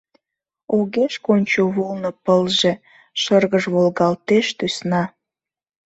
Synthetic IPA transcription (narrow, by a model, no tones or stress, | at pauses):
oɣeʃkonʲt͡ɕoβolnopəlʒe | ʃərɣəʒβolɣɑlt̪eʃt̪ysnɑ